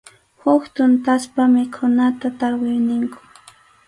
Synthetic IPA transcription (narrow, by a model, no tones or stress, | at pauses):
hʊkt̪ʊnt̪aspamɪkʰʊnat̪at̪aɾwɪjnɪŋkʊ̥